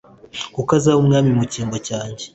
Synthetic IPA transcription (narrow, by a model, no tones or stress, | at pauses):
kukazaumŋaːmimuciːŋɡo̞caːɲɟe